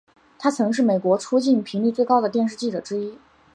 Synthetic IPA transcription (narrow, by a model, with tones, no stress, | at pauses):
t̪ʰa˥t͡sʰɤ˧˥ŋʂ̬ɻ̩˥˩me˨˩kwɔ˧˥ʈ͡ʂʰu˥t͡ɕi˥˩npʰi˧˥ŋli˥˧t͡swe˥˧ɪkɑ˥ʊd̪ə˨t̪jɛ˥˧nʂɻ̩˥˧t͡ɕi˥˩ʈ͡ʂɤ˨˩ʈ͡ʂɻ̩˥i˥